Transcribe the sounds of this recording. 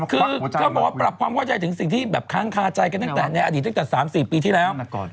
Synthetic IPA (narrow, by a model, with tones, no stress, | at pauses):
kʰɯː˧ɔː˥˩bɔ˨˩kwaː˥pɾa˨˩p̚kʰwaː˧mkʰa˥˩wt͡ɕa˧jt̪ʰɯ˩˦ŋsi˨˩ŋt̪ʰiː˥˩bɛː˨˩p̚kʰaː˦˥˩ŋkʰaː˧˩t͡ɕa˧jka˧nt̪a˥˩ŋt̪ɛː˨˩na˧jʔaː˧di˨˩t̪̚ːa˥˩t̪ɛ˨˩saː˩˦msiː˨˩piː˧t̪ʰiː˥˩lɛː˦˥w